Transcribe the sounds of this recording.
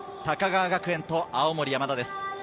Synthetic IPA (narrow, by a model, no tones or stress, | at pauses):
t̪akaɡaːɡakɯẽ̞nt̪o̞ʔaomo̞ɾʲijamad̪ad̪esɨ̥